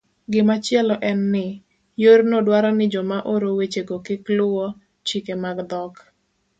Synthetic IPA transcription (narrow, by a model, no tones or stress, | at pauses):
ɡɪmat͡ʃjɛlɔʔɛnːɪ | jornodwaɾɔnɪd͡ʒɔmaʔoɾowet͡ʃeɡokɪklʊwɔ | t͡ʃikemaɡd̪ɔk